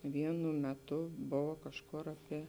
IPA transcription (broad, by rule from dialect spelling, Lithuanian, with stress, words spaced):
ˈʋʲiɛnʊ mʲɛˈtʊ ˈboːʋɐ kɐʃˈkʊr ɐˈpʲiɛ